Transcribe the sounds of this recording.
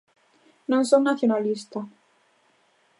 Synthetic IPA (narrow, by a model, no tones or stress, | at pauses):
nõŋsoŋnaθjonalist̪a